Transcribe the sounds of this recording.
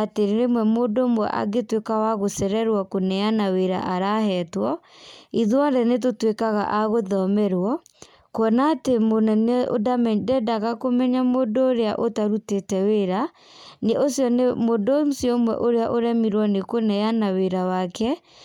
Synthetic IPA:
ateɾeɾemwɛmodomwɛ̰ʔa̰ɡetwekawaɣosɛɾɛɾwɔkonɛanaweɾa̰ʔaɾahɛtwɔ | iðwandɛnet̬otwekaɣa̰ʔaɣoðɔmɛɾwɔ | kɔnatemonɛneo̰damɛdɛdaɣakomɛɲamodoɾea̰ʔotaɾutetɛweɾa | neʔosjɔnmodosjɔmwɛ̰ʔoɾeaʔoɾɛmiɾwɔnekonɛjanaweɾawakɛ

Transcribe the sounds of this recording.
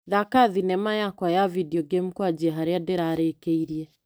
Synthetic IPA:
ðakaðinɛmajakwajavidiɔɡemukwad͡ʒiɛɦaɾeadeɾaːɾekeiɾiɛ

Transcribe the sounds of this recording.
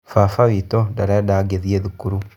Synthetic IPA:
fafaβitodaladaɡeðieðukuɾu

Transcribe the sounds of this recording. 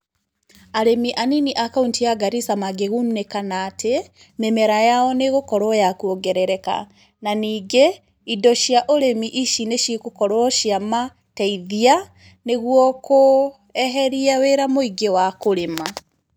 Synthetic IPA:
aɾemiʔaniniʔakauntiaɡaɾisamaɡeɣunekanaːtʰe | memɛɾajaɔneɣokɔɾwɔjakuoɡɛɾɛɾɛka̰ | naniːɡe | idɔʃiaʔoɾemiʔiʃineʃikokɔɾwɔʃiama | tɛiðia | neɣwɔko | ɛɦɛɾiaweɾamoiɡewakoɾema

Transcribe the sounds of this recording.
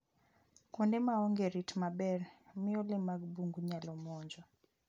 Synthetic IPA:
kɔndɛmaɔŋɡeɾitmabɛrmɪɔlɪmaɡ̚buŋɡuɲalɔmɔɲd͡ʒɔ

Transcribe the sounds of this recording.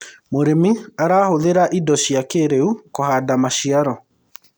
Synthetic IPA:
moɾemiaɾaːhoðeɾaʔidɔɕiakeɾeukohadamaʃiaɾɔ

